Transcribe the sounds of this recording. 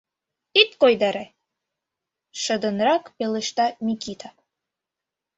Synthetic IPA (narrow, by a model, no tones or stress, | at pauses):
it̪kojd̪ɑɾe | ʃə̆d̪ə̆nrɑkpelə̆ʃt̪ɑmʲikit̪ʰa